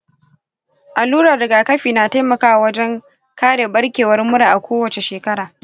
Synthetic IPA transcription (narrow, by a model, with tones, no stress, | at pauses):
ʔa˨luː˦ɽɐ˨rdɐ˨ɡaː˨kɐ˦ɸiː˨naː˨ta˦jmɐ˨kaː˦wa˨wɐ˦d͡ʒɛ˦ŋ | kaː˦ɽe˨ɓɐ˦ɽkʲeː˨wɐ˦rmʊ˦ɽa˨ʔa˨kʷoː˦wɐ˨t͡ʃe˨ʃeː˨kɐ˦ɽaː˨